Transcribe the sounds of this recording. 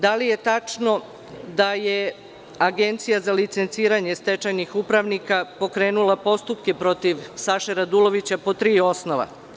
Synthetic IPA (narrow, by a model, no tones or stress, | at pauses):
d̪alije̞t̪at͡ʃno̞ | d̪aje | aɡe̞nt̪sijazalit̪se̞nt̪siːɾaɲest̪e̞t͡ʃajnixupɾaʋnikapo̞kɾe̞ːnulˠapo̞st̪upkepɾo̞t̪iʋsaʃeɾad̪ulo̞ʋit͡ɕapo̞t̪ɾiːo̞snoʋa̰